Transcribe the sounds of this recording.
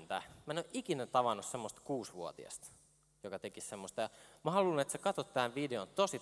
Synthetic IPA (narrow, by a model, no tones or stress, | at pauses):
nt̪æmæenoʔikinæt̪ɑʋɑnussemːost̪kuːsʋuo̰t̪ḭɑ̰st̪ | jokɑt̪ekissemːost̪ɑjɑmɑhɑlulnet̪sekɑt̪ot̪ːæːnʋideont̪osi